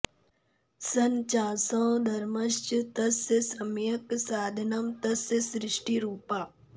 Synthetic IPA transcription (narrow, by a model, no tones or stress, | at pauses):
sɐnt͡ʃaːsɐ̃ːd̪ʱɐɾmɐʃt͡ʃt̪ɐssɐmjɐksaːd̪ʱɐnɐmt̪ɐsəsɾɪʂʈiɾuːpaː